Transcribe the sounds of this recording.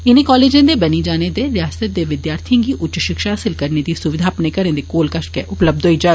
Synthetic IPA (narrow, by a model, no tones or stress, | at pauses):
ɪnẽkɔːleːd͡ʒẽd̪ebɐnid͡ʒaːned̪eɾɪjaːsət̪̚d̪eʋɪd̪jaːɾt̪ʰijõkiʔʊtːt͡ʃːʃɪkʃɦaːsɪlkɐɾned̪isʊʋɪd̪ʱaːpnekɐɾẽd̪ekoːlkɐʃʈ̚keʔʊpləb̚d̪ʱoːid͡ʒaː